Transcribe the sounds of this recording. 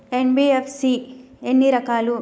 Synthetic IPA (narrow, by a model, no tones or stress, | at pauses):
enbiːefsi | enːiɾɐkaːlu